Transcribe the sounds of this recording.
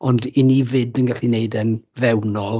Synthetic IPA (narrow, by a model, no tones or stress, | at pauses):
ɔndɪnivɪdənɡaɬineɨdɛnvɛwnɔlˠ